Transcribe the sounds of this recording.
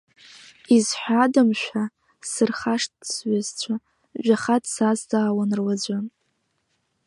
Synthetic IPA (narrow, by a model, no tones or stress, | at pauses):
izħʷᶣadamʃʷᶣa | sɨrχaʂtsɥazt͡ɕʷʰa | ʒʷᶣaχadʰsazdaːwanrlad͡zʷa